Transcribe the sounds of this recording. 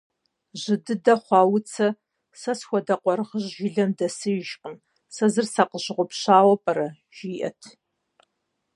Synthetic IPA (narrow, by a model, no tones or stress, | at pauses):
ʑɪdɨdɐχʷɑːwʊt͡sʰɐ | sɐsxʷɔdɐqʷɔɾʁəʑʒɪɮɐmdɐsɨjɪʒqən | sɐzɨrsɐqəʑʁʷʊpɕaːwɐpʼɐɾɐʒ̥iːʔɐ̰tʰ